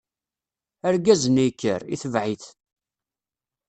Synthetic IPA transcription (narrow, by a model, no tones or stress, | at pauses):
əɾɡæzənijkːə̰ɾḭθəvʕiθ